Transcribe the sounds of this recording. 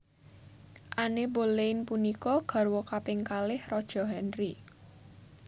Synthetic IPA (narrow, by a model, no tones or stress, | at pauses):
ʔaneboleɪnpunikɔɡ̥a̤rwɔkapɪŋkalɪhrɔd̥ʒ̥ɔ̤ɦɛnri